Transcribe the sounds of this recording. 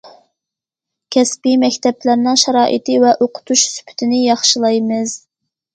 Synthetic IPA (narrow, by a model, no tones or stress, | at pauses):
kʲʰɛspimɛkʲt̪ɛplæɾnɨŋʃɛɾɑːʔḭt̪ɪvɛʔoqʰʊ̥t̪ʰuʃsy̥pʰy̥t̪ʰɪnɪjɑχʃɨlˠɑjmɨz̥